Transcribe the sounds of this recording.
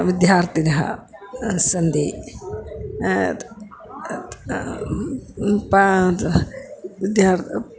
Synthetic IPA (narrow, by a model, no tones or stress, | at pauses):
ʋid̪jaːɾt̪inɦɐ̰ | sɐnd̪i | pa | ʋid̪jaːɾ